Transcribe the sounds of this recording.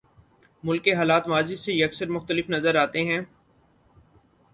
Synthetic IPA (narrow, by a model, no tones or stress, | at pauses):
mʊlkːeɦaːlaːt̪maːzisejɐksəɾmʊxt̪əlɪfnɐzəɾaːt̪eɦɛ̃ː